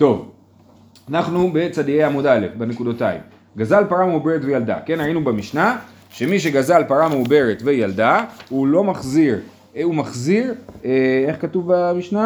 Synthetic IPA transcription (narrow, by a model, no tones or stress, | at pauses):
to̞v | anaχnube̞t͡sad̪iejamudale̞fbene̞kudotaḭm | ɡazalpaʁameube̞ʁetvejald̪a̰ke̞nʁainubemiʃna | ʃe̞miʃ̬e̞ɡazalpaʁameube̞ʁetvejaldaulo̞maχziʁ | umaχziʁee̞χkatuvbamiʃna